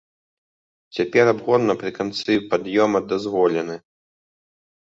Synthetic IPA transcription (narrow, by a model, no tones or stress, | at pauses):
t͡sʲapʲɛɾabɣɔnːɐpɾɨkant̪sɨpad̪jɔmɐd̪azvɔlʲɛnɨ